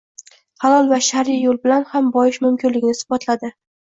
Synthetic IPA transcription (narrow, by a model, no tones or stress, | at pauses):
hɑlˠɒlˠvaʃaɾijolˠbɪlanhambɒjɪʃmʊmkʲʰɪnlɪɡʲɪnɪsʊ̥bat̪ʰlad̪ɪ